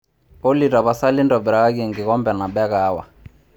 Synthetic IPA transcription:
pɔ˦li˨ɾa˨βa˨sa˦li˦ndɔ˨bɾa˨ka˦ke˦˨ŋɡi˨ɣɔ˦mbɛ˨na˨ɓɛ˦kaː˦wa̰˨

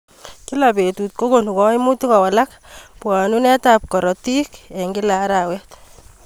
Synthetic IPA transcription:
ki˦la˨be˨tu˨t̚ko˦ko˨nu˨kɔ˦imu˦tu˦kɔ˨wa˨lak | pwa˨nu˦nɛ˦ta˨p̚kɔ˨ɾɔ˨ti˦kɛ˨ŋɡi˦la˨˦ɾawɛt

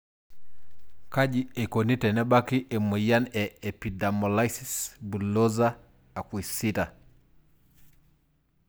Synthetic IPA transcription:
ka˦d͡ʒie˨ko˨ni˦tɛ˨nɛ˦ba˦ki˦ʔe˨mu˨ja˦nɛ˨e˨pi˨da˨mɔ˨la˦isisbu˨lo˦za˦ | a˨kwi˨si˦ta˨

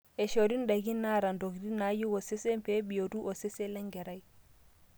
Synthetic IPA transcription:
e˨ʃo˨ɾi˦nda˨ɡi˦nːa˦ɾa˨ndo˨ɡdi˦na˨˦ju˦wo˨se˦se˦mpe˦bi˨jo˨du˦ʔo˨se˦se˦le˦ŋɡe˨ɾa˦j

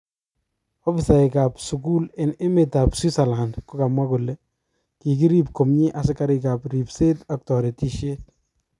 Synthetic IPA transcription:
ɔ˦fi˨sa˨ɪ˨ka˨psu˨ku˦lɪ˨nɪ˦mɪ˨ta˨pswi˦sa˨la˨ndkɔ˦ka˨mwa˦kʊ˨lːe˦ | ki˨k̬i˦ɾi˦p̚ko˨mɲɪ˦ʔa˨s̬ɪ˦ka˦ɾɪka˨pɾi˨pse˦tɔk̚tɔ˨ɾe˨ti˨ʃe˦t

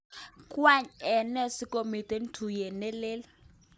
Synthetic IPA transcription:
kʼwa˦ɲɛ˨nɛ˦si˦kʼo˨mi˨tɛ˨˦n̩˦tʰu˨jɛ˨nɛ˦le˦l

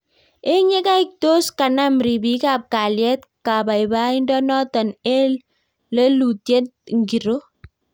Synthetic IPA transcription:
e˦ɲe˦ka˦i˦k̚to˦ska˨na˦mɾi˨bi˦ka˦˨p̚ka˨ljɛ˦t̚ | ka˨ba˨ɪ˨ba˦i˦ndɔ˦nɔ˦tɔ˨ne˦l | le˦lu˨tje˦t̚ŋɡi˨ɾo˦

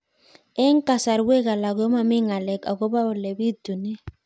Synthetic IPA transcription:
ɛ˦ŋ˦ka˨sa˨ɾwe˦ka˨la˨ɡo˦ma˨mɪ˦ŋa˨lɛ˨ka˨ɡo˦ba˦ʊ˨le˨bi˦tu˨ne˦

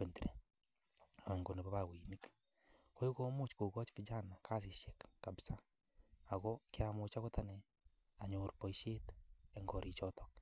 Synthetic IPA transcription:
pe˨ntiɾe˨ | e˨ŋɡo˨ne˨βo˦βaɣwimik | o˦i˦ko˦mo˦t͡ʃko˨ɣɔ˦t͡ʃfi˦d͡ʒa˦na˨kʰa˦s̬i˨ʃe˨kːabisa˦ | a˨ɣo˦kiamo˨t͡ʃa˦ɣo˦ta˦ne˨ | a˨ɲo˨ɾpo˨iʃe˦teŋɡɔ˨ɾi˨t͡ʃɔtɔ̥k̚

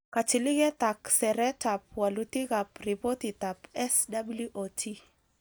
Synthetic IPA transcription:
kat͡ʃi˨lɪ˦ɣɛ˦ta˨ksɛ˨ɾɛ˦tap̚wa˨luti˦ɣa˨pripo˦ti˨ta˨pɛsdabulju˦ʔotʰi˦

